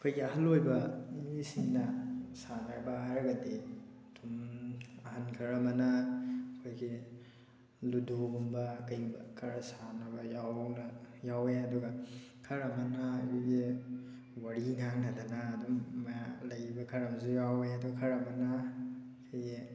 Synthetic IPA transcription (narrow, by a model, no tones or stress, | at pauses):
ɐkʰojɡiɐɦɐlojbɐmisiŋnɐsanaɾbaaɾɐɡɐdi | tʰumɐhankʰɐɾɐmɐnɐkʰojɡi | ludoɡumbɐkɐjbkʰɐɾasanɐbɐjawnajaweɐduɡɐkʰɐɾɐmɐnaːkʰojɡi | waɾiŋaŋnadanaːdummajalɐjibɐkʰɐɾɐmzujaweɐduɡɐkʰɐɾɐmɐna | kʰojɡi